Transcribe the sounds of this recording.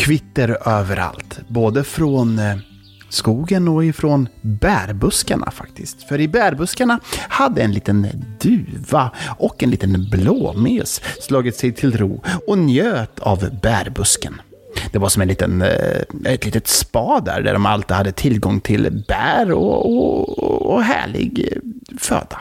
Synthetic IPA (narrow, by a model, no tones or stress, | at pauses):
kʰvɪt̪ːəɾøːvəɾʔa̰lt̪boːd̪əfɾɔn | skuːɡənɔɪfɾɔnbæːɾbɵskaɳa̰fa̰kt̪ɪst̪fœɾɪbæɾbɵskaɳahad̪ːəɛnliːt̪ənd̪ʉ̟ːvaʔɔkːɛnlḭːt̪ənbloːmeːsslɑːɡɪt̪sɛjt̪ʰɪlɾuːɔnjøːt̪ʰavbæɾbɵskən | d̪̥ɛvaɾʂɔmɛnliːt̪ən | ɛt̪liːt̪ət̪spɑːd̪æ̰ɾɖæ̰ɖɔma̰lt̪ɪdhad̪ːət̪ʰɪlɡɔŋːt̪ʰɪlb̥æːɾɔ̰ɔ | ɦæ̰ːɭɪ̰ɡfø̰ːd̪a